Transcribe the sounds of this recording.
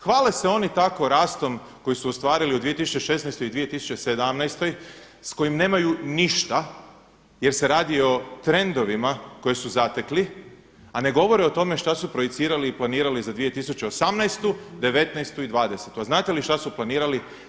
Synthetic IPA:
xʋaːlese̞o̞nit̪ako̞ɾaːst̪o̞m | ko̞jisuost̪ʋaːɾiliud̪ʋije̞t̪isut͡ʃeʃe̞snajst̪o̞jid̪ʋije̞t̪isu̥t͡ɕese̞d̪amnajst̪o̞j | sko̞jimne̞ːmajuniʃt̪a | je̞ɾse̞ɾaːd̪io̞t̪ɾe̞nd̪o̞ʋimako̞jesuzat̪e̞kli | ane̞ɡo̞ʋo̞ɾeo̞t̪o̞me̞ʃt̪asupɾo̞jet̪siːɾaliːplaniːɾalizad̪ʋije̞t̪isut͡ɕeosamnajst̪ud̪e̞ʋe̞t̪najst̪uid̪ʋaːd̪e̞set̪uaznaːt̪eliʃt̪asuplˠaniːɾali

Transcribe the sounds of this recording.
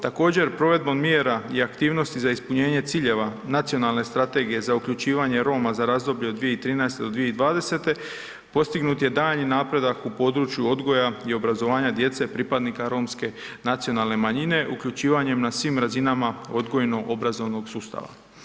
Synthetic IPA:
t̪ako̞ːd͡ʑe̞ɾpɾo̞ʋe̞d̪̚bo̞mmjeɾaiakt̪iːʋno̞st̪izaispuɲe̞ːɲe̞t̪siːʎe̞ʋanat̪sio̞nalˠne̞st̪ɾat̪e̞ɡije̞zaukʎut͡ʃiːʋaɲe̞ɾo̞ːmazaɾazd̪o̞bʎe̞od̪ːʋije̞it̪ɾiːnaest̪e̞d̪od̪ʋije̞id̪ʋaːd̪e̞se̞t̪e̞ | po̞st̪iɡnut̪je̞d̪aːʎninaːpɾe̞d̪akupo̞ːd̪ɾut͡ʃjuo̞d̪ɡo̞jaio̞bɾazo̞ʋaːɲad̪je̞t̪se̞pɾipad̪nikaɾo̞ːmske̞nat̪sio̞nalne̞maɲine̞ʔukʎut͡ʃiːʋaɲe̞mnasʋimɾazinamao̞d̪ɡo̞jno̞ʔo̞bɾazo̞ʋno̞ɡsuːst̪a̰ʋa̰

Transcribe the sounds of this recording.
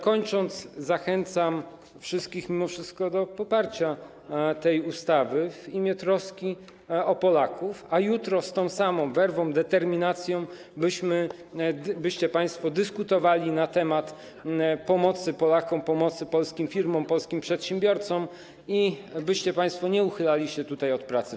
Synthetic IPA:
kɔɲt͡ʂɔnd̪szaxɛnt̪sam | fʂɘst̪̚kʲixmʲimɔfʂɘst̪kɔd̪ɔpɔpaɾt͡ɕa | t̪ɛjust̪avɘvimʲjɛt̪ɾɔskʲi | ɔpɔlakʰufajut̪ɾɔst̪ɔ̃w̃samɔ̃w̃vɛɾvɔ̃w̃d̪ɛt̪ɛɾmʲinat̪sʲjɔ̃w̃ | bɘɕmɘ | bɘɕt͡ɕɛpaj̃st̪fɔd̪ɘskut̪ɔvalʲinat̪ɛmat̪ | pɔmɔt̪sɘpɔlakɔmpɔmɔt̪sɘpɔlskʲimfʲiɾmɔ̃mpɔlskʲimpʂɛt̪ɕɛ̃mbʲjɔɾt̪sɔ̃m | ibɘɕt͡ɕɛpaj̃st̪fɔɲɛuxɘlalʲiɕɛt̪ut̪ajɔt̪pɾat̪sɘ

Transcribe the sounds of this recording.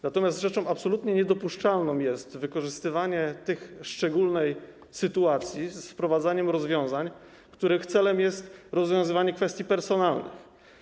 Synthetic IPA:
nat̪ɔmʲjast̪ʐɛt͡ʂɔ̃w̃apsɔlut̪ɲɛɲɛd̪ɔpuʂt͡ʂalnɔ̃w̃jɛst̪vɘkɔʐɘst̪ɘvaɲɛt̪ɘxʂt͡ʂɛɡulnɛj | sɘt̪uat̪sʲjisfpɾɔvad̪zaɲɛmɾɔzvʲjɔ̃w̃zaɲ | kt̪uɾɘxt̪sɛlɛmjɛst̪ɾɔzvʲjɔ̃w̃zɘvaɲɛkfɛst̪jipɛɾsɔnalnɘ̰x

